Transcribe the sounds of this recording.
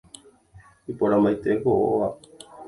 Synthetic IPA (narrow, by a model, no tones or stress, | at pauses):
ipoɾãmbajt̪ekoʔo̰ʋa